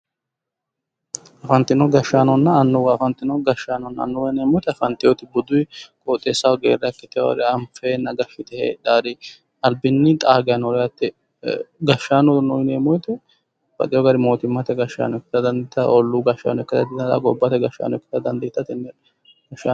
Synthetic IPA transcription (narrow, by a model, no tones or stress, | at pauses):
ʔɐfɐnt̪ːɪnɔɡɐʃːaːnɔnːɐːnːʊwɐfɐnt̪ːɪnɔɡɐʃːaːnɔnːɐɐ̰nːʊwɐneːmɔjt̪ɛɐfɐnt̪ːɪjɔt̪ɪbʊd̪ʊjkʼɔt̪ʼːeːsːɐwɡḛːɾːɐkːɪt̪ːɪjɔ̰ɡɐ̰ɾɪɐmfenɐɡɐʃːɪt̪ɛhḛd̪aːɾɪ | ɐlbɪnːɪt̪ʼaːɡɛjɐnɔɾɛjɐt̪ːɛ | ɡɐʃːaːnɔnɔjɪneːmɔjt̪ɛ | b̥ɐ̰t̪ɪjɔɡɐɾɪmo̞ːt̪ɪmːɐt̪ɛɡɐʃa̰ːnɔɛkːɪ̥t̪ɐd̪ɐnd̪ɪt̪ːɐɔlːʊɡɐʃːa̰ːnɔɛkːɪt̪ɐd̪ɪd̪t̪ɐ̰ɡɔbːɐt̪ɛɡɐʃːa̰ːnɔɛkːɪ̥t̪ɐd̪ɐnd̪ɪt̪ːɐt̪ɪnːɛ | ɡɐʃa